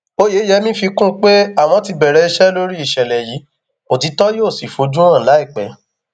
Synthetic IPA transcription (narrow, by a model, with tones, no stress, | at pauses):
o˦je˨˦jɛ˧mĩ˦fi˧kũ˦k͡pe˦a˦˨w̃ɔ̃˧ti˧bɛ˨ɾɛ˧i˧ʃɛ˦lo˦ɾi˦i˦˨ʃɛ˨lɛ˨jiː˨˦ | o˨ti˨˧˦tɔ˦joː˦˨si˨fo˨˦d͡ʒũ˦ɾ̃ã˦˨la˨˦i˦˨k͡pɛ˨